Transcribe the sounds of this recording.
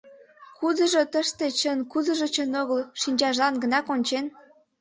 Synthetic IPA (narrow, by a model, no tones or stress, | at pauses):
kud̪əʒot̪əʃt̪e̽t͡ɕənkuzə̆ʒət͡ɕənoɣəlʃinʲt͡ɕɑʒlɑnɡə̆nɑkonʲt͡ɕen